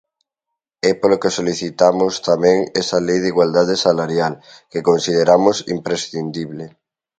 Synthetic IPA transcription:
ɛpolokesoliθit̪amost̪amɛ̃ŋɛsalejðiɣwald̪að̞esalaɾjal | kekonsið̞eɾamosḭmpɾesθind̪iβle

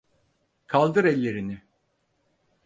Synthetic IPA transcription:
kʰalˠd̪ɯɾɛlʲːe̞ɾinɪ

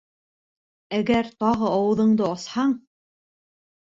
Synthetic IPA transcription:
æɡæɾt̪ɑʁɤɑwɤ̆ðɤ̆ɴd̪ɤɑshɑɴ

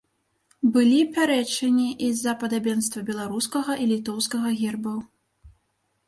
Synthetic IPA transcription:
bɨlʲipʲaɾɛt͡ʂɐnʲiʔizɐpɐd̪abʲɛnst̪vɐbʲɛlˠaɾuskɐɣɐʔilʲit̪ɔwskɐɣɐɣʲɛrbɐw

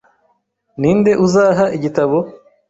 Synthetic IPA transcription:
niːnde̞ʔuzaːɦaʔiɟitaβo̞

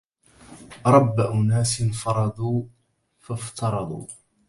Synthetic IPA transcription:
ɾˤɑbːaʔʊnaːsɪnfɑɾˤɑd̪ˤuː | faft̪ʰɑɾˤɑd̪ˤṵː

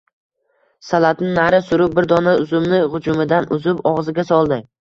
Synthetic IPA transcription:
salat̪nɪnaɾɪsʊɾʊp̚bɪɾd̪ɒnaʊzʊmnɪʁʊd͡ʒʊmɪd̪anʊzɪpɒʁzɪɡʲasɒlˠd̪ɪ

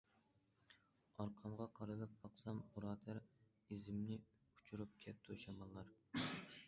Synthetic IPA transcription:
ɑɾqʰɑmʁɑqʰɑɾɨlˠɨp̚bɑqsɑmuɾɑːd̪æɾ | izɪmnɪ | u̥t͡ʃʰuɾup̚kʲʰɛp̚t̪ʰuʃɑmɑnˠlːɑɾ

